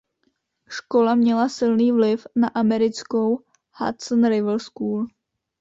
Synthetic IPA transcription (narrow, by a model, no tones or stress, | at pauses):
ʃko̞lamɲɛlasɪlniːvlɪfnaʔamɛɾɪt͡sko̞w | ha̰t̪sənɾɪvl̩skuːl